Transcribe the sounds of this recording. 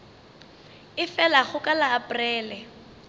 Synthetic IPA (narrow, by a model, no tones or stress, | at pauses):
ɪfɛlaχʊkʼalaːpʊrɛːlɛ